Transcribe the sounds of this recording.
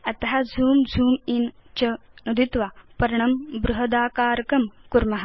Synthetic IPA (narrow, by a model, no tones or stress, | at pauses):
ɐt̪ɐɦɐd͡zʱuːmd͡zʱuːmint͡ʃɐ | nud̪it̪ʋapɐɾɳɐmbɾuɦɐd̪aːkaːɾkɐmkuɾmɐɦɐ